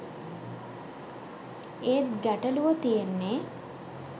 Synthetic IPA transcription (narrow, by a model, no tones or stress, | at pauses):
eːt̪ɡæʈəluʋət̪ijenːe